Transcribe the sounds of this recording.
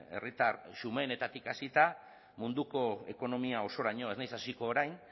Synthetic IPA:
e̞̰rit̪arʃume̞ːne̞t̪at̪ikasit̪a | mund̪uko̞e̞̰ko̞no̞miao̞so̞ɾaɲo̞e̞znajsasiko̞ːɾajn

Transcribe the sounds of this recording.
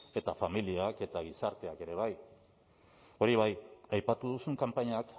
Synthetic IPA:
e̞t̪afamiliake̞t̪aɣ̞isaɾt̪e̞ake̞ɾe̞β̞aj | o̞ɾiβ̞ajajpat̪uðusuŋkampaɲak

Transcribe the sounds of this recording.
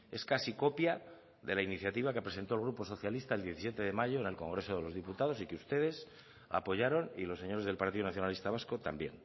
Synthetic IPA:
e̞skasiko̞pja | ðe̞lainiθjat̪iβ̞ake̞pɾe̞sent̪o̞lɣɾupo̞so̞θjalist̪aeld̪jeθisjet̪eðe̞maʝo̞ene̞lko̞ŋɡɾe̞so̞ð̞e̞lo̞zðiput̪að̞o̞sikeust̪e̞ð̞e̞s | a̰po̞ʝaɾo̞nḭlo̞se̞ɲo̞ɾezðe̞lpaɾt̪iðunaθjo̞nalist̪aβ̞asko̞t̪a̰mbje̞̰n

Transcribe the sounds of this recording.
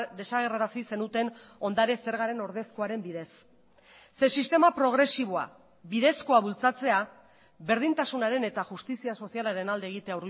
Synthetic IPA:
d̪esaɣe̞raɾasise̞nut̪e̞no̞nd̪aɾese̞ɾɣ̞aɾe̞no̞ɾðe̞sko̞aɾe̞mbiðe̞sː | esist̪e̞mapɾo̞ɣ̞ɾe̞siβ̞oa̰ | biðe̞sko̞aβult͡sat͡se̞a | βe̞ɾð̞int̪asunaɾe̞ne̞t̪axust̪isiaso̞sialaɾe̞nald̪eːɣ̞it̪e̞auɾ

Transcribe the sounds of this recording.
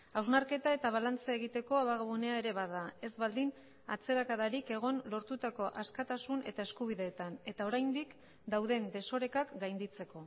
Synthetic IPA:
awznaɾke̞t̪ae̞t̪aβ̞alant͡sae̞ɣit̪e̞ko̞aβaɣaβune̞aeɾe̞βaðae̞zβald̪in | at͡se̞ɾakaðaɾike̞ɣ̞o̞nlo̞ɾt̪ut̪ako̞ʔaskat̪asune̞̰t̪ae̞skuβ̞iðe̞ːt̪ane̞t̪ao̞ɾajnd̪ik | d̪awðe̞nd̪e̞so̞ɾe̞kakɡajnd̪it͡se̞ko̞

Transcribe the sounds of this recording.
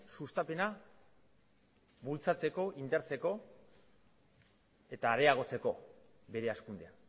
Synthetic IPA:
sust̪ape̞na | βult͡sat͡se̞ko̞ʔind̪eɾt͡se̞ko̞ | e̞t̪aːɾe̞aɣ̞o̞t͡se̞ko̞ | βe̞ɾe̞askund̪ea

